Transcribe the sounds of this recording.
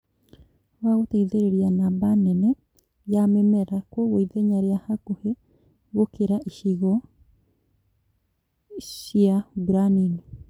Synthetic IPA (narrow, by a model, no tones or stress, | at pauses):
waɣotɛiðeɾeɾianaβanɛnɛ | jamɛmɛɾakwɔɣoiðɛɲaɾeahakohe | ɣokeɾaʔiʃiɣɔ | ʃjaɡɾanini